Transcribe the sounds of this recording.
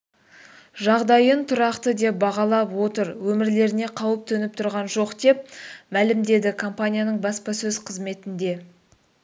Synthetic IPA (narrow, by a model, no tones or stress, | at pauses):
ʒɑʁd̪ɑjənt̪ʰʊɾɑqt̪əd̪e̞p̚bɑʁɑlˠɑpwo̞t̪əɾwɵmɪɾle̞ɾɪne̞qʰɑwəp̚t̪ʰɵnɪp̚t̪ʰʊɾʁɑnʒo̞qd̪e̞p̚mælɪmd̪e̞d̪ɪkʰo̞mpanʲijanəɴbɑspɑsɵzqʰəzme̞t̪ɪnd̪e̞